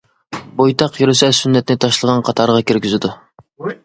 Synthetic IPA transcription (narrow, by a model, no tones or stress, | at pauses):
bojt̪ʰɑqjyɾɪsɛsynːɛt̪ɪnɪt̪ʰɑʃlˠəʁɑnqʰɑt̪ʰɑɾʁɑkʲiɾɡʲyzɪd̪u